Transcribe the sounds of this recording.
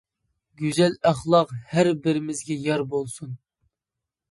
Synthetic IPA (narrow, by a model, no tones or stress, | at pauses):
ɡʲyzɛlæχlˠɑqhæɾbɪɾɪmɪzɡʲɛjɑɾbolˠsun